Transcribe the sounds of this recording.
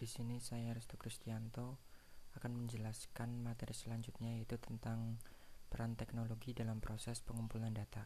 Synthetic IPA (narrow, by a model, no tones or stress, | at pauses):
d̥isinisajaɾɛst̪ukɾist̪iant̪oakanməɲd͡ʒəlaskanmat̪eɾisəlaɲd͡ʒut̪̚ɲajait̪ut̪ənt̪aŋpəɾant̪ɛknoloɡidalampɾosɛspəŋumpulandat̪a